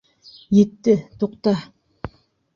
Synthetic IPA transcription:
jet̪ːɪt̪ʰoqt̪ɑ

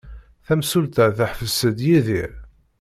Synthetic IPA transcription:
θæmsult̪əθəħfəsəd̪jiðiɾ

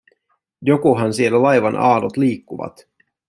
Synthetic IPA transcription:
jokuɦɑnsielːælɑjʋɑnʔɑ̰ːdot̪liːkːuʋɑ̰t̪

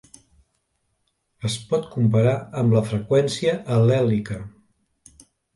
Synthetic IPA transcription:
əspɔt̪kumpəɾaəmləfɾəkwɛnsiəʔːlɛlikə

